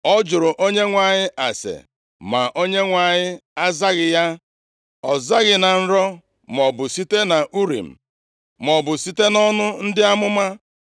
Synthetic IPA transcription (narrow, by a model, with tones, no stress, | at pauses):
ɔ˦d͡ʒʊ˨ɾʊ˨ʔo˦ɲe˦ŋʷa˨ɲɪ˦ʔa˨sḛ˨ | ma̰˨ʔo˦ɲe˦ŋʷa˨ɲɪ˦a˦za˦ɣɪ˨ja˦ | ɔ˨za˦ɣɪ˨na˨n̩˦ɾɔ˦ | m˨ɔ˨bʊ˨si˦te˦na˨ʔu˦ɾḭ˨m̩˨ | m˨ɔ˨bʊ˨si˦te˦nɔ˦nʊ˦n̩˦dɪ˦a˦mʊ˦ma˦